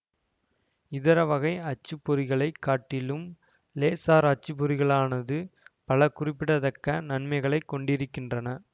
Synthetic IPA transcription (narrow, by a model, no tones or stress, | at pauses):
ɪðɐɾɐʋɐɣɐɪɐt͡ʃːɯpːɔɾɪɣɐɭɐɪkːaːʈːɪlɯm | leːsaːɾɐt͡ʃːɯp̬ːɔɾɪɣɐɭaːnɐðɯpɐɭɐkʊrɪpːɪɽɐðɐkːɐnɐnmɐɪɣɐɭɐɪkːɔɳɖɪɾɯkːɪndrɐnɐ